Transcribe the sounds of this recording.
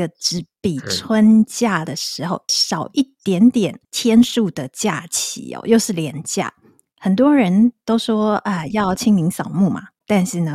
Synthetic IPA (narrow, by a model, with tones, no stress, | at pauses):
ə˨ʈ͡ʂɻ̩˧˥pi˨˩t͡sʰwə˦nt͡ɕja˥˩d̪ə˩ʂɻ̩˧˥xo˧ʊʂɑ˨˩ʊʔi˥˩t̪jɛ˧˥nt̪jɛ˨˩nt̪ʰjɛ˥nʂu˥˩d̪ə˩t͡ɕja˥˩t͡ɕʰḭ˧˥ɔ̰˧˩jo˥˧ʊʂɻ̩˥˩ljɛ˧˥nt͡ɕja̰˥˩ | xə˨˩nt̪̬wɔ˥ɻə˧˥nt̪o˥ʊʂwɔ˥ə˧jɑ˥˩ʊt͡ɕʰi˥ŋmi˧˥ŋsɑ˨˩ʊmu˥˩ma̰˩t̪a˥˧nʂɻ̩˥˩nə˩